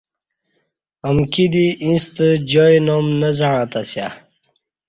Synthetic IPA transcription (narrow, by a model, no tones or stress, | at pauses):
əmkid̪iʔĩst̪əd͡ʑojnomnəzaɽãt̪asja̰